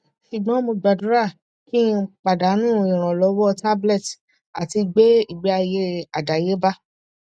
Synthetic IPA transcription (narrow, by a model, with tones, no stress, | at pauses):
ʃu˨ɡ͡bã˨˦mo˧ɡ͡ba˨du˨˦ɾa˦˨ | kĩ˦k͡pa˨da˨˦nũ˦˨˧ĩ˨ɾ̃ã˨lɔ˨˧˦wɔ˦ta˦blɛ˦˨t | a̰˨ti˧ɡ͡be˦i˦˨ɡ͡bɛ˨˧a˧je˦a˨da˨je˨˦ba˦